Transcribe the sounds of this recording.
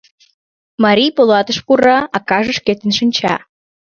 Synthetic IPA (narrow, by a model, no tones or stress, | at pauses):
mɑɾʲijpolɑt̪əʃpuɾɑɑkɑʒə̆ʃket̪ə̆nʃənʲt͡ɕɑ̰